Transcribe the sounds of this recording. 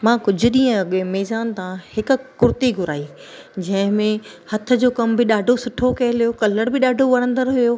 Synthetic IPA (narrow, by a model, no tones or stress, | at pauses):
mãːkʊd͡ʑʱʊ̆ɗĩːə̃ɐɠẽmɛːzaːnt̪ãhɪkʊ̆kʊɾt̪iɡʱʊɾaːi | d͡ʑɐ̃ɦɪ̃mẽ | hɐt̪ʰə̆d͡ʑoːkɐmbɪɗaːɖʱosʊʈʰokɐɦɪlijokɐləɽbɪɗaːɖʱoʋɐɽ̃ə̃nd̪əɾɦʊjoː